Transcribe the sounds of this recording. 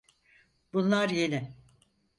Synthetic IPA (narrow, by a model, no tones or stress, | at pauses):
b̥unlˠaɾjenɪ